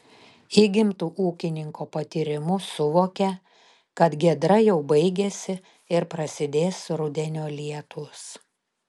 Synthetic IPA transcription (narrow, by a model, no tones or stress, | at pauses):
iːɡʲɪmt̪uːʔuːkʲɪnʲɪŋkoːpɐt̪ʲiːɾʲɪmʊsʊʋoːkʲɛ | kɐt̪ɡʲiɛd̪ɾɐjɛʊbɐɪɡʲesʲɪ | ɪɾpɾɐsʲɪd̪ʲeːsɾʊd̪ʲɛnʲoːlʲiɛt̪ʊs